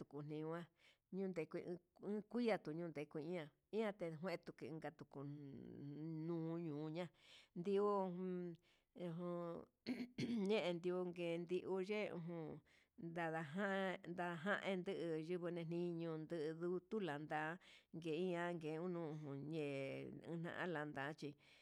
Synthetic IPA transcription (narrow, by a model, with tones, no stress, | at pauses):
t̪u˨ku˨n̥nĩ˧wã˦ | ɲũː˦nd̪e˧˨kʷi˧ʔɨ̃˦kʷi˦ja˧t̪u˨ɲũː˦˧nd̪e˨kʷi˧ĩ˦ã˧ | ĩ˦ã˧t̪e˧ɦwẽ˦ʔt̪u˧ki˧ɨ̃˧ɡa˧t̪u˨ku˨ | nũː˦ɲũː˨˧ɲã˦nd̪i˧u˦˧ | ũ˧ɦũ˧ | ɲẽ˦ʔe˧nd̪i˧u˧ŋɡeː˨˧nd̪i˧ʔu˧ʒe˦˧ṵ̃˧ɦũ˧ | nd̪a˧ða˧ɦã˦nd̪a˧ɦã˦ʔẽ˧nd̪ɨ˦˧ʔɨ˧ʒɨ˧βɨ˧nẽ˧nĩ˧˦˧ɲũ˧nd̪ɨ˧ʔðu˦t̪u˦la˨nd̪a˨˦ŋɡe˨˧ĩ˦ã˧ŋɡeː˨˧ũ˦nũː˦ũ˧˨ɦũ˨ɲḛ̃˧˨˦n̥ã̰˧ʔã̰˦la˨nd̪a˨˦t͡ʃi˧